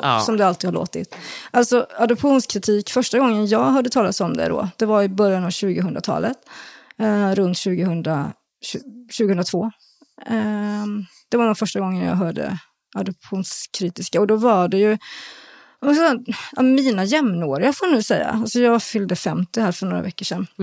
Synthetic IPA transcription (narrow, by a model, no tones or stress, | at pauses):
sɔmd̪ɛalt̪ɪɡhaɭo̰ːt̪ɪ̰t̪ʔalt̪sɔad̪ɔpɧuːnskʰɾɪt̪ʰiːkfœʂʈaɡɔŋːənjɑːɡɦœːɖət̪ʰɑːlat̪sɔmd̪ɛ̰d̪ɔ̰ːd̪̥ɛvaɾɪbœɾjanɑvɕʉ̟ːɡəɦɵnɾat̪ʰɑ̰ːlət̪ | ɾɵnt̪ɕʉ̟ːɡəhɵnd̪ɾa̰ | ɕʉ̟ːɡəhɵnɾat̪ʰvoː | d̪̥ɛvad̪ɔnfœʂʈaɡɔŋːənjɑ̰ɦœːɖə̰ | ad̪ɔp̚ɧuːnskʰɾiːt̪ɪskaɔd̪ɔvaɖɛjɵ | mɛssa̰miːnajɛmnoːɾɪafoːanʉ̟ːsɛjːa̰alsɔjɑːɡfʏld̪əfɛmt̪ɪhæːɾfœɳo̰ːɾa̰vɛkːəʂɛnː